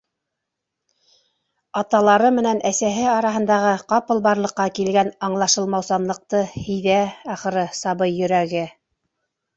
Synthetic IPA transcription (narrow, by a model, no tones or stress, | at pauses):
ɑt̪ɑlˠɑɾɤmɘ̆nænʔæsæɦɘɑɾɑɦɤ̆nd̪ɑʁɤqɑpɤ̆lˠbɑɾlˠɤ̆qːɑkilɡænɑɴlˠɑʃɤ̆lˠmɑwsɑnlˠɤ̆q̚t̪ɤhijðææχɤ̆ɾɤsɑβɤjːɵ̆ɾæɡɘ